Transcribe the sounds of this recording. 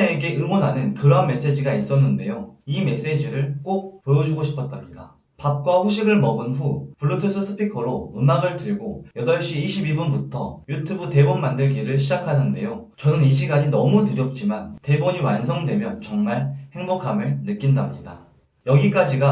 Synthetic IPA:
eːɡe̞ʔɯmonɦanɯnkɯɾʌnme̞s͈ed͡ʑiɡais͈ʌnːɯnde̞joime̞s͈e̞d͡ʑiɾɯɭk͈ok̚pojʌd͡ʑuɡoɕʰi̥pʰʌt̚t͈amɲida | pap̚k͈waɸuɕʰiɡɯɭmʌbɯnɸupuɭːotʰusʰɯsʰɯ̥pʰikʰʌɾononaɡɯɭtɯɭɡojʌdʌɭɕ͈iːɕʰibibunbutʰʌ̰jutʰubute̞bonmandɯɭɡiɾɯɭɕʰid͡ʑakʰanʌnde̞jot͡ɕʌnɯniɕ̬ʰiɡaɲinʌmutɯɾjʌp̚t͡ɕ͈imante̞boɲiwans̬ʰʌŋdwe̞mjʌnt͡ɕʌŋmaɭhe̞ŋbokʰamɯɭnɯk͈indamɲida̰ | jʌɡik͈ad͡ʑiɡa

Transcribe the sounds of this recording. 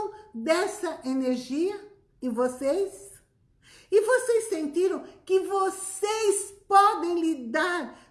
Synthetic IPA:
d̪ɛsɐʔeneɾʒiɐ | ɪ̃vosejs | ɪvosejsːẽnt̪iɾɐ̃w̃kɪvosejspɔd̪ẽj̃lid̪aɾ

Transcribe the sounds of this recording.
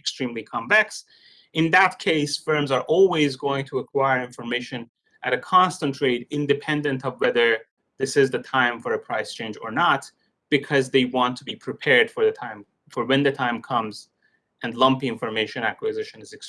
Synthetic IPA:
kstɹ̥ĩmlikʰɑ̃ɱvɛks | ɨ̃nðət̚kʰeɪsfɜ̃˞mzə˞ʔɔlˠwizɡoʊɪ̃ŋtʰəəkʰw̥aɪə˞ɪ̃ɱfə˞meɪʃɨ̃n | ʔɨɾɨkʰɑ̃nstə̃ntʰɹ̥eɪɾɪ̃ndɨpʰɛ̃ndɨ̃ntʌvwɛðə˞ | ðɪsɪzðɨtʰãɪ̃ɱfə˞ɨpʰɹ̥aɪst͡ʃʰẽɪ̃nd͡ʒə̰˞nət̚ | b̥ɨkʰʌzðeɪwɑ̃ntʰəbipʰɹ̥ɨpʰɛɹd̥fə˞ðɨtʰãɪ̃m | fə˞wɨ̃nðɨtʰãɪ̃mkʰʌ̃mz | ʔɨ̃nlʌ̃mpiɪ̃ɱfə˞meɪʃɨ̃nækwɨzɪʃɨ̃nɨzɨks

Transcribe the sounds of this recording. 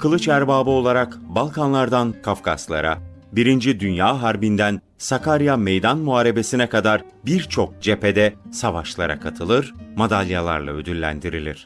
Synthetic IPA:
kʰɯlˠɯt͡ʃæɾbaːbɯo̞lˠaɾakbalˠkʰanlˠaɾd̪ankʰafkʰaslˠa̰ɾabiɾind͡ʒid̪ynjaːɦaɾbind̪æn | sakʰaɾjamejd̪anmuaːɾe̞be̞sinɛkad̪aɾ | biɾt͡ʃʰo̞k̚d͡ʒe̞ped̪ɛsavaʃlˠaɾa̰kʰat̪ʰɯlˠɯɾmad̪alʲjalˠa̰ɾlˠa̰ød̪ylːʲæ̰nd̪iɾilʲiɾ̥

